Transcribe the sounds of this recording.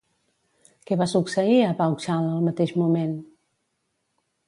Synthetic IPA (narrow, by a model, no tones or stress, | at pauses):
kɛβasuksəiəβawkʃaləlˠmət̪eʒmumen